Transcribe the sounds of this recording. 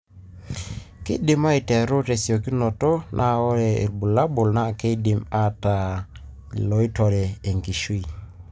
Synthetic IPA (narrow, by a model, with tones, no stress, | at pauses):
kɪ̰˦dɪ˨ma˦i˨tɛ˨ɾo˦te˨sjo˨ki˦nɔ˨tɔ˦nʔa˦˨ɔ˦ɾɛ˨ḛ˨ɾbu˨la˦bʊ˨lna˦˨ke˦dɪ˨ma˦ta˨ | lɔ˨i˦tɔ˨ɾɛ˨e˨ŋki˨ʃwi˨